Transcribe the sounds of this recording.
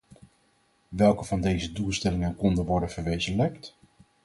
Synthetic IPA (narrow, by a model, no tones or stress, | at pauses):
ʋɛlˠkəvɑndejzədulˠstɛlɪŋənkɔndəʋɔɹdənvəɹʋejzənləkt